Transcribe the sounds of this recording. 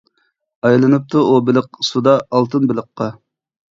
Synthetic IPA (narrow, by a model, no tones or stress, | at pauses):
ɑjlˠɨnɨp̚t̪ʰuʔubɪləq̚sud̪ɑːlˠt̪ʰɨnbɪlˠəqʰːɑ